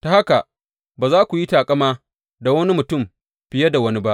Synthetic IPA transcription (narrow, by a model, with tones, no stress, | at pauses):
ta˨ha˦ka˨ | baː˨zaː˦kʷu˨ji˦taː˨kʼɐ˦maː˦ | da˨wɐ˦ni˦mʊ˨tʊ˦˨m | ɸɪ˨jɐ˦da˨wɐ˦ni˦ba˦ʔ